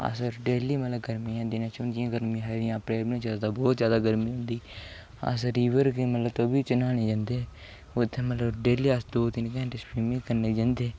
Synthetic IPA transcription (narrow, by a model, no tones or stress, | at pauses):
a̰səɾɖeːliːmət̪ləbɡəɾmĩːɛ̃ːd̪ɪnãːt͡ʃʊnd̪iãːɡəɾmĩɦad̪ɪjãːəpɾeːlmnĩːd͡ʒad̪aːbɔːt̪zjaːd̪aːɡəɾmĩːɦʊ̃nd̪iː | a̰ːs̬əɾiːʋəɾkemət̪ləbt̪oːbiːt͡ʃənaːneːd͡ʒãnd̪eː | ʊt̪ʰːẽːmət̪ləbɖeːliːasd̪oːt̪ɪnkɛ̃ːɳʈespiːmɪ̃ːkəɾneːd͡ʒãnd̪eː